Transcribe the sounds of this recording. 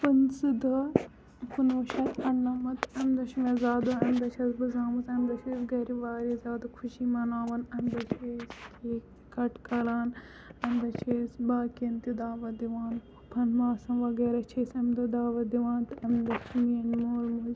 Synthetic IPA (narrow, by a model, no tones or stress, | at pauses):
pɐnsɨd̪ɐ | kunʋuʃɐt̪ɐɳnɐmɐt̪ɐmd̪ɐʃimezaːd̪oɐmd̪ɐt͡ʃʰɐsbɨzaːmɐsɐmd̪ɐt͡ʃʰeːsɡɐɾiʋaːɾizaːd̪okʰuʃimɐnaːʋɐnɐmd̪ɐt͡ʃʰeːst̪ʰek | kɐʈkɐlaːn | ɐmd̪ɐt͡ʃʰeːsbaːkiɐnt̪id̪aːʋɐd̪iʋaːnupʰɐnmaːsɐnʋɐɡeːɾɐt͡ʃʰeːsɐmd̪ɐd̪aːʋɐd̪iʋãːnt̪ɐmd̪ɐt͡ʃʰimɐnmoːlmuz